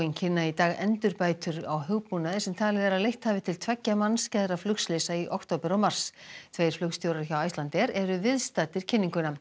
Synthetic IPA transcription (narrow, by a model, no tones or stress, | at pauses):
iɲcʰɪnːait̪aːɣɛ̰nt̪ʏɾpaːjt̪ʏɾawɦʏɣpunaðɪsɛmt̪ʰaːlɛðɛɾalejht̪haːvɪt̪ʰɪlt̪ʰvɛcːamanːscɛjðɾaflʏkslɪsaiʔɔwkt̪ʰowpɪɾɔwmar̥st̪ʰvejɾ̥flʏkst̪jowɾaɾɪçawajst̪lant̪ɛɾɛɾʏvɪðst̪aːt̪ɪɾ̥cʰɪnːiŋkʏna